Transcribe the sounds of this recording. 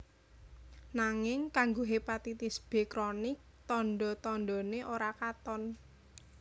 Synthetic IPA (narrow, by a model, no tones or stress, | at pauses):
naŋɪŋkaŋɡoɦepat̪it̪isb̥e̤kɾɔnɪk̚t̪ɔnɖɔt̪ɔnɖɔ̤neʔoɾakat̪ɔn